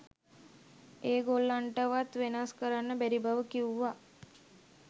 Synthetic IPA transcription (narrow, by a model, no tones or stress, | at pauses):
eːɡolːaɳʈəʋat̪ʋenaskəɾanːəbæɾibaʋəkiuʋa